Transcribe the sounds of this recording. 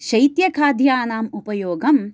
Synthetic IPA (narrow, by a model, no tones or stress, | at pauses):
ʃɐjt̪jɐkʰaːd̪ʱjaːnaːmupɐjoːɡɐm